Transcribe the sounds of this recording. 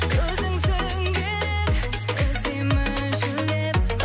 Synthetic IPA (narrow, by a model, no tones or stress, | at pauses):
kʲʰɵzɪŋsɪ | ŋkʲʰeɾekʲ | kʲʰɪzemɪ | ʒɵlep̚